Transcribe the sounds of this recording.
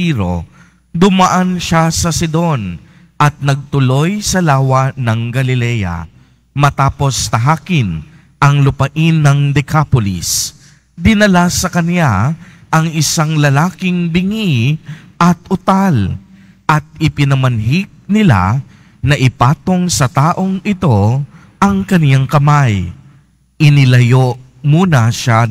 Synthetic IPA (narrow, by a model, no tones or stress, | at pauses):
iɾo̞̰ | d̪ʊmaʔanʃasɐsɪd̪o̞n | ʔɐt̪̚nɐɡ̚t̪ʊlo̞jsɐlaːwɐnɐŋɡɐlɪlɛjɐ̰ | mɐt̪aːpo̞st̪ɐɦaːkɪn | ʔɐŋlʊpɐʔinːɐŋd̪ɛkapolɪ̰s | d̪ɪnɐlasɐkɐnja | ʔɐŋɪsaŋlɐlaːkɪŋbɪŋiʔɐt̪̚ʊt̪al | ʔɐt̪̚ɪpɪnɐmɐnɦɪɡ̚nɪla̰ | nɐʔɪpaːt̪o̞ŋsɐt̪aːʔo̞ŋɪt̪o̞ | ʔɐŋkɐnjaŋkɐmaj | ʔɪnɪlɐjoʔ | muːnɐʃa